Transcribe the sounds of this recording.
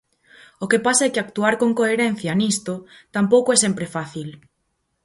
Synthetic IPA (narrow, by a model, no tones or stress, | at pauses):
okepasaɛkɪak̚t̪uaɾkoŋkoeɾɛn̟θjanist̪ot̪ampowkoɛsɛmpɾefaθil